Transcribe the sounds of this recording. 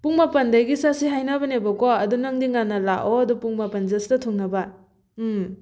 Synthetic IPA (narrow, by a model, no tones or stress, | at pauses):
puŋmapɐndajɡisasiɦajnabɐnebɐkɔɐdunɐŋdiŋanːɐlaʔoɐdupuŋmapɐnzɐstɐtʰuŋnɐba